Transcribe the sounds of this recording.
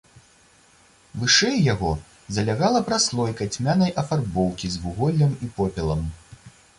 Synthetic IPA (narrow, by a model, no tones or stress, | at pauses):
vɨʂɛjːaɣɔ | zɐlʲaɣalˠɐpɾaslˠɔjkɐt͡sʲmʲanɐjʔɐfarbɔwkʲizvuɣɔlʲːɐmipɔpʲɛlˠɐm